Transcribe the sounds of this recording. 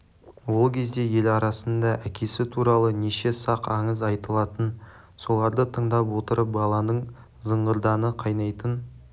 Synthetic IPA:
wo̞lˠkʲʰe̞zd̪e̞je̞lɑɾɑsənd̪ɑʔækʲe̞sɪt̪ʰuɾɑlˠəneʃe̞sɑqɑɴəzɑjt̪əlˠɑt̪ən | so̞lˠɑɾd̪ət̪ʰəɴd̪ɑp̬wo̞t̪əɾəp̚bɑlˠɑnəɴ | zəɴʁəɾd̪ɑnəqʰɑjnɑjt̪ən

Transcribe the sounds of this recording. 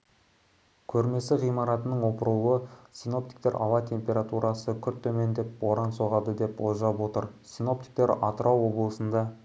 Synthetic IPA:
kʲʰɵɾme̞sɪʁijmɑɾɑt̪ənəɴwo̞pəɾəlˠəsino̞p̚t̪i̥k̚t̪e̞ɾʔɑ̰wɑt̪ʲʰe̞mpʲe̞ɾat̪uɾʔɑsəkʲʰʏɾt̪ʰːɵme̞nd̪e̞pwo̞ɾɑnso̞ʁɑd̪əd̪e̞pwoʒɑpwo̞t̪əɾsino̞p̚t̪i̥k̚t̪e̞ɾɑt̪əɾɑwo̞blˠəsənd̪ɑ

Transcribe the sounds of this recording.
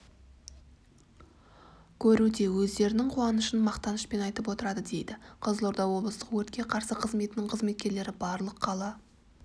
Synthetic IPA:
kʲʰɵɾud̪e̞wɵzd̪e̞ɾɪnɪŋqʰuɑnəʃənmɑqt̪ɑnəʃpe̞nɑjt̪əpwo̞t̪əɾɑd̪əd̪e̞jd̪ɪqʰəzlˠoɾd̪ɑwo̞blˠəst̪əqwɵɾt̪kʲe̞qʰɑɾsəqʰəzme̞t̪ɪnɪŋqʰəzme̞t̪kʲe̞ɾle̞ɾɪbɑɾlˠəqːʰɑlˠɑ

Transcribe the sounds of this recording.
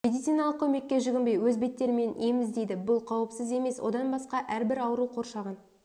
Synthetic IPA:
mʲed̪it̪sijnɑlˠəq̚kʲʰɵme̞kʲːe̞ʒʏɡʲɪmbejwɵzbe̞t̪ːe̞ɾɪme̞ne̞mɪzd̪e̞jd̪ɪbʊlˠqʰɑwəpsɪze̞me̞swʔo̞̰d̪ɑnbɑsqɑʔæɾbɪɾɑwəɾuqʰo̞ɾʃɑʁɑn

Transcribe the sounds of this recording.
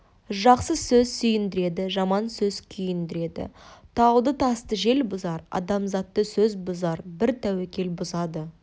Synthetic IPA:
ʒɑqsəsɵzsʏjɪnd̪ɪɾe̞d̪ɪʒɑmɑnsɵz̥kʲʰʏjɪnd̪ɪɾe̞d̪ɪ̰t̪ʰɑwd̪ət̪ʰɑst̪əʒe̞lbʊzɑɾɑ̰d̪ɑmzɑt̪ːəsɵzbʊzɑɾbɪɾt̪ʰæwekʲe̞lbʊzɑd̪ə

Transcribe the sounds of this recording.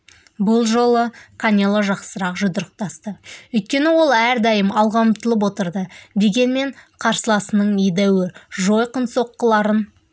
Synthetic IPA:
bʊlˠʒo̞lˠəkʰanʲelˠoʒɑqsəɾɑqʒʊd̪əɾəq̚t̪ɑst̪əɵjt̪̚kʲe̞nɪwo̞lˠæɾd̪ɑjəmɑlˠʁɑmt̪əlˠəp̬wo̞t̪əɾd̪əd̪e̞ɡʲe̞nme̞ɴqʰɑɾsəlˠɑsənəɴijd̪æwɪʒo̞jqənso̞qːəlˠɑɾən

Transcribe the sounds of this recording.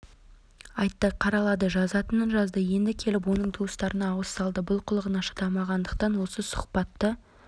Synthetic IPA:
ɑjt̪ːəqʰɑɾɑlˠɑd̪əʒɑzɑt̪ənənʒɑzd̪əje̞nd̪ɪkʲʰe̞lɪp̬wo̞nəɴt̪ʰuəst̪ɑɾənɑːwəst̪ɑlˠd̪əbʊlˠqʰʊlˠəʁənɑʃə̥t̪ɑmɑʁɑnd̪əq̚t̪ɑnwo̞səsʊ̥χpɑt̪ːə

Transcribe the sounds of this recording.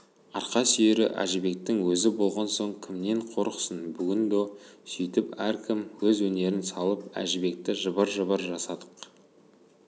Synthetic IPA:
ɑ̰ɾqɑsʏjeɾɪ̰ʔæ̰ʒɪbe̞k̚t̪ɪŋwɵzɪbo̞lˠʁɑnso̞ɴkʲʰɪmne̞ɴqʰo̞ɾqsənbʏɡʲɪnd̪osʏjt̪ɪpæɾkʲʰɪmwɵzwɵne̞ɾɪnsɑlˠəp̚æ̰ʒɪbe̞k̚t̪ɪʒəbəɾʒəβəɾʒɑsɑd̪ə̥q

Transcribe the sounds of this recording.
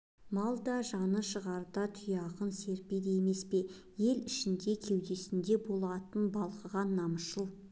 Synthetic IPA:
mɑlˠd̪ɑʒɑnəʃəʁɑɾd̪ɑt̪ʰʏjɑʁənse̞ɾpejd̪eeme̞spe̞ | je̞lɪʃɪnd̪e̞kʲʰe̞wd̪e̞sɪnd̪e̞bo̞lˠɑt̪ənbɑlˠqəʁɑnːɑməsʃəlˠ

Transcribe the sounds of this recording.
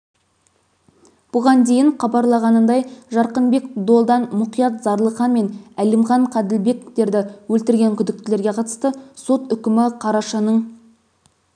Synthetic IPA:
b̥ʊʁɑnd̪e̞jɪɴχɑbɑɾlˠɑʁɑnənd̪ɑjʒɑɾqənbe̞kd̪o̞lˠd̪ɑnmʊqijɑt̪zɑɾlˠəqɑnme̞nælemχɑɴqʰɑd̪ɪlbe̞kt̪e̞ɾd̪ɪwɵlt̪ɪɾɡʲe̞ŋkʲʰʏd̪ɪk̚t̪ɪle̞ɾɡʲe̞qʰɑt̪ə̥st̪əso̞t̪ʏkʲɪmɪqʰɑɾɑʃɑnəɴ

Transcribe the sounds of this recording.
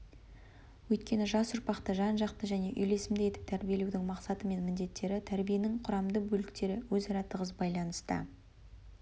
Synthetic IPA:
wɵjt̪̚kʲe̞nɪʒɑsʊɾpɑqt̪əʒɑnʒɑqt̪əʒæne̞ʔʏjle̞sɪmd̪ɪje̞t̪ɪ̥p̚t̪ʰæɾbije̞le̞wd̪ɪŋmɑqsɑt̪əme̞nmɪnd̪e̞t̪ːe̞ɾɪt̪ʰæɾbije̞nɪŋqʰʊɾɑmd̪əbɵlɪkt̪e̞ɾɪwɵzɑɾɑt̪ːəʁəzbɑjlˠɑnəst̪ə̰

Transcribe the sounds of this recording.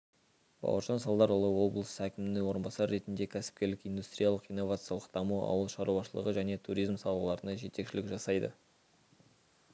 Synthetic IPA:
b̥ɑ̰wə̰ɾʒɑnsɑlˠd̪ɑɾʊlˠəwo̞blˠəsəækʲɪmɪnɪŋwo̞ɾənbɑsɑɾːe̞t̪ɪnd̪e̞kʲʰæsɪ̥p̚kʲe̞ɾlɪkijnd̪ust̪rʲijalˠəqijnːo̞vat̪sɨjɑlˠəqd̪̥ɑmuɑ̰wəlˠʃɑɾuɑʃəlˠə̰ʁəʒæne̞t̪ʰuɾijzmsɑlˠəlˠɑɾənɑʒe̞t̪e̞kʃɪlɪkʒɑsɑjd̪ə̰

